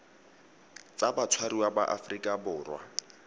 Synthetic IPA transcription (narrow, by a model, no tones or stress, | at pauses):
t͡sʼabat͡sʰwariwaba̰ʔafrikʼabʊːrwa̰